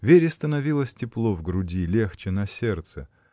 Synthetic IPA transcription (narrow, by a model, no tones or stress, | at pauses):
vʲeɾʲɪst̪ənɐvʲilˠəsʲtʲɪplˠovɡɾʊdʲilʲext͡ɕɪnɐsʲert̪sə